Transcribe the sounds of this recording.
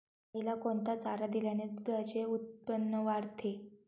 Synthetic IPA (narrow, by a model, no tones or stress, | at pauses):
ilakoɳt̪at͡saɾad̪iljaned̪ud̪ʱat͡ɕeut̪̚pənːəʋaɾt̪ʰe